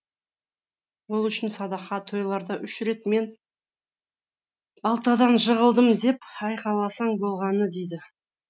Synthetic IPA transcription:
wo̞lˠʏʃɪnsɑd̪ɑqɑt̪ʰo̞jlˠɑɾd̪ɑʔʏʃɾe̞t̪me̞n | bɑlˠt̪ɑd̪ɑnʒəʁəlˠd̪əmd̪e̞pɑjqɑlˠɑsɑɴbo̞lˠʁɑnəd̪e̞jd̪ɪ

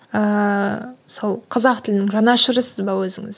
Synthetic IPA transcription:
ə | so̞lˠqʰɑzɑq̚t̪ʰɪlɪnɪŋʒɑnɑʃəɾəsəzbɑwɵzɪŋɪz

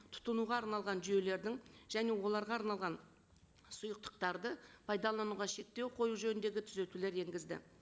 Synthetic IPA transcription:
t̪ʰʊ̥t̪ənuʁɑːɾnɑlˠʁɑnʒʏje̞le̞ɾd̪ɪŋʒ̥æne̞wo̞lˠɑɾʁɑːɾnɑlˠʁɑn | sʊjəq̚t̪ə̥q̚t̪ɑɾd̪əpʰɑjd̪ɑlˠɑnuʁɑʃe̞k̚t̪e̞wqʰo̞juʒɵnɪnd̪e̞ɡʲɪt̪ʰʏze̞t̪ule̞ɾe̞ŋɡʲɪzd̪ɪ̰

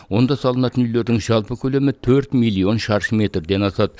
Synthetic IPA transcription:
wo̞nd̪ɑsɑlˠənɑt̪ənʏjle̞ɾd̪ɪŋʒɑlˠpəkʲʰɵle̞mɪt̪ʰɵɾt̪mijlˠːio̞nʃɑɾʃəme̞t̪rd̪e̞nɑsɑd̪ə

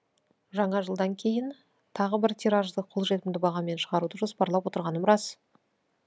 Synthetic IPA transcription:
ʒɑɴɑʒəlˠd̪ɑŋkʲʰe̞jɪn | t̪ʰɑʁəbɪɾt̪ʰiɾɑʒd̪əqʰo̞lˠʒe̞t̪ɪmd̪ɪbɑʁɑme̞nʃəʁɑɾud̪əʒo̞spɑɾlˠɑpwo̞t̪əɾʁɑnəmɾɑs

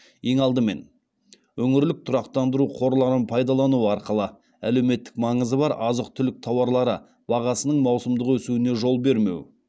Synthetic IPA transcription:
je̞ŋɑlˠd̪əme̞̰n | wɵŋɪɾlɪk̚t̪ʰʊɾɑqt̪ɑnd̪əɾuqʰo̞ɾlˠɑɾənpʰɑjd̪ɑlˠɑnuəɑɾqəlˠə | æ̰lewme̞t̪ːɪ̥k̚mɑɴəzəbɑɾɑzəq̚t̪ʰʏlɪk̚t̪ʰɑwɑɾlˠɑɾə | bɑʁɑsənəɴmɑwsəmd̪əqwɵsuɪne̞ʒo̞lˠbe̞ɾme̞̰w

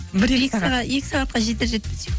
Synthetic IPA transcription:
bɪɾekʲsɑʁɑje̞kʲɪ̥sɑʁɑt̪̚qɑʒet̪eɾʒeɪpɪ̥t̪se

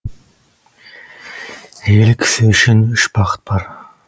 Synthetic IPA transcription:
elksøʃenʏʃbɑqə̥t̪̚bɑɾ

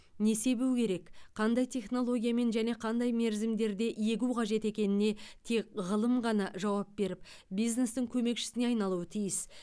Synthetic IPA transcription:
ne̞se̞buwkʲʰe̞ɾe̞kqʰɑnd̪ɑjt̪ʰe̞χno̞lˠo̞ɡʲijame̞nʒæne̞qʰɑnd̪ɑjme̞ɾzɪmd̪e̞ɾd̪e̞ʔje̞ɡʲuqʰɑʒe̞t̪e̞kʲe̞nɪne̞t̪ʰe̞k̚ʲʁəlˠəmʁɑnɑʒɑwɑp̚be̞ɾɪp | bijzne̞st̪ɪŋkʲʰɵme̞kʃɪ̥sɪneɑjnɑlˠuwət̪ʰijɪs

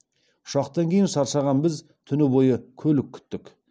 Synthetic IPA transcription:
ʊ̥ʃɑqt̪ɑŋkʲʰe̞jɪnʃɑɾʃɑʁɑnbɪz | t̪ʰʏnɪbo̞jəkʲʰɵlɪkʲʰːʏ̥t̪ːɪk

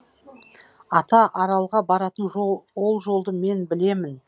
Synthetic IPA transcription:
ɑt̪ɑʔɑɾɑlˠʁɑbɑɾɑt̪ənwo̞lˠʒo̞lˠd̪əme̞nbɪle̞mɪn

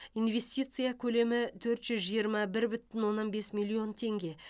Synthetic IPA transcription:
inve̞sʲt̪ʲit̪sɨjakʲʰɵle̞mɪt̪ʰɵɾt̪ʒ̥ʏzʒijəɾmɑbɪɾbʏt̪ɪnwo̞nːɑnbe̞smʲilʲˠio̞nt̪ʰe̞ŋɡʲe̞

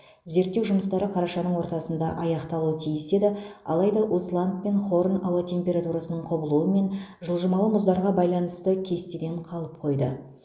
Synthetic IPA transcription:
ze̞ɾt̪ːe̞wʒʊməst̪ɑɾəqʰɑɾɑʃɑnəɴwoɾt̪ɑsənd̪ɑʔɑjɑqt̪ɑlˠuwət̪ʰijɪse̞d̪ɪɑ̰lˠɑjd̪ɑʔuslˠandt̪̚pe̞nχo̞ɾənɑwɑt̪ʰe̞mpʲe̞ɾat̪uɾasənəɴqʰobəlˠuəme̞nʒəlˠʒəmɑlˠəmʊzd̪ɑɾʁɑbɑjlˠɑnəst̪əkʲʰe̞st̪ed̪e̞ɴqʰɑlˠəp̚qʰo̞jd̪ə

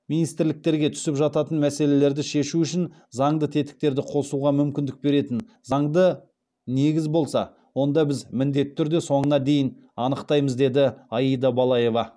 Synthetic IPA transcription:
minijst̪ɪɾlɪk̚t̪e̞ɾɡʲe̞t̪ʰʏ̥sɪpʒɑt̪ɑt̪ənmæse̞le̞leɾd̪ɪʃe̞ʃuʏʃɪn | zɑɴd̪ət̪ʰe̞t̪ɪ̥k̚t̪e̞ɾd̪ɪqʰo̞suʁɑmʏmkʲɪnd̪ɪk̚be̞ɾe̞t̪ɪn | zɑɴd̪ə | ne̞ɡʲɪzbo̞lˠsɑ̰ | wo̞nd̪ɑbɪzmɪnd̪e̞t̪ʰːʏɾd̪e̞so̞ɴənɑd̪e̞jɪn | ɑnəqt̪ɑjməzd̪e̞d̪ɪɑjijd̪ɑbɑlˠɑje̞vɑ

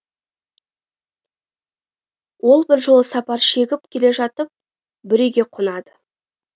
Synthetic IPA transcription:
wʔo̞lˠbɪɾʒolˠəsɑpɑɾʃe̞ɡʲɪp̚kʲʰe̞le̞ʒɑt̪əp̚ | bɪɾewɡʲe̞qʰonɑd̪ə

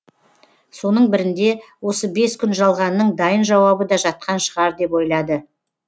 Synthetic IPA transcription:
so̞nəɴbɪɾɪnd̪e̞wo̞səbe̞skʲʰʏnʒɑlˠʁɑnːəɴd̪ɑjənʒɑwɑbəd̪ɑʒɑt̪̚qɑnʃəʁɑɾd̪e̞po̞jlˠɑd̪ə

